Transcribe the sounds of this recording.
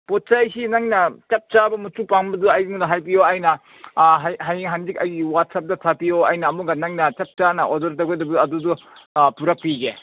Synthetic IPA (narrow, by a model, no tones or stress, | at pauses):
pot̚t͡ʃajsinaŋnɐt͡ʃap̚t͡ʃabɐmutupaŋbɐduajɡiŋdɐɦajpioɐjnɐ | ɦajɦajŋɦandikɐjɡiwat̚sap̚dɐtʰapijoɐjnɐːmuɡɐnɐŋnɐt͡ʃɐp̚t͡ʃanɐʔodɐɾtɐɡajdɐbɐuɐdudupuɾɐk̚piɡe